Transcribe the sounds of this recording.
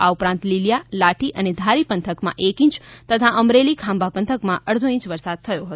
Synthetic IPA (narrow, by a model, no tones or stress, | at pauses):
aupɾãnt̪lilijalaʈiʔəned̪ʱaɾipənt̪ʰəkmã̰ʔekĩt͡ʃt̪ət̪ʰaʔəmɾelikʰãmbʱapənt̪ʰəkmãʔəɾd̪ʱoĩt͡ʃʋəɾsad̪̚t̪ʰəjoɦət̪o